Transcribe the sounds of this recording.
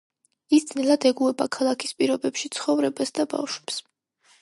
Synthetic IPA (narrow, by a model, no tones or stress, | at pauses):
isd̪z̥nɛlˠad̪ɛɡuɛbakʰalˠakʰispʼiɾɔbɛpʃit̪sʰχɔvɾɛbasd̪aba̰fʃwɛps